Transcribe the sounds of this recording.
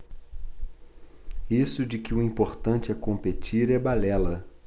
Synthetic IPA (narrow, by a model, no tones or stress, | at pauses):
isʊd͡ʒɪkɪʊĩpoɾt̪ɐ̃t͡ʃɪɛkõmpet͡ʃiɾɛbalɛlɐ